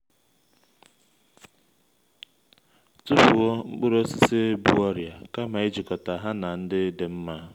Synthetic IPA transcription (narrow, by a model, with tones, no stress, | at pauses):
tʊ˦fu˨ɔ˦ŋ͡m̩˦k͡pʊ˦ɾo˦si˦se˦bu˦ɔ˦ɾja˨ka˦ma˨i˦d͡ʒi˨kɔ˨ta˨ɦa˦na˨n̩˦dɪ˦dɪ˨m̩˦ma˦